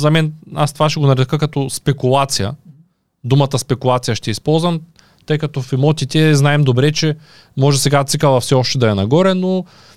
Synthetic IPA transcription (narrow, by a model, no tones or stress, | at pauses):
zɐmɛnast̪ovaʃɛɡonɐɾɛd̪kəkɐt̪ɔspɛkulˠat̪sijə̰ | d̪umət̪əspɛkulˠat̪sijəʃt̪ɛispɔlˠzvɐm | t̪ɤjkɐt̪ɔfɛmɔt̪ʲit̪ʲɛznaɛmd̪obɾɛt͡ʃɛ | mɔʒɛsɛɡat̪sɨkɐlˠɐfsɛɔʃt̪ɛd̪ɐjɐnɐɡɔɾɛno